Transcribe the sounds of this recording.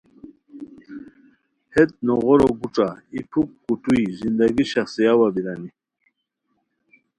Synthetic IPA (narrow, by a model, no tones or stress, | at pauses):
het̪̚nɔɣɔɾoɡuʈ͡ʂaipʰukːut̪uizind̪aɡiɕaχsijawabiɾani